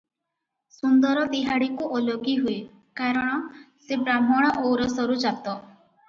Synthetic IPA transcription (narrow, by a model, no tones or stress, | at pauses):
sund̪ɔɾɔd̪iɦaɽikuʔoloɡiɦuj | kaɾɔɽ̃ɔ | sebɾam̤ɔɽ̃ɔʔowɾɔsɔɾud͡ʒat̪ɔ